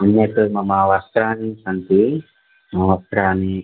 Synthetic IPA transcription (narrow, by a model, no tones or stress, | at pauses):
ɐnːekɐmɐmaʋɐst̪ɾaːnisɐnt̪i | mɐʋɐst̪ɾaːni